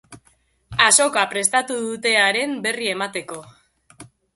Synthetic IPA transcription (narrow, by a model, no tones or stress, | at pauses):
aso̞kapɾe̞st̪at̪uðut̪e̞aɾe̞mbe̞rie̞mat̪e̞ko̞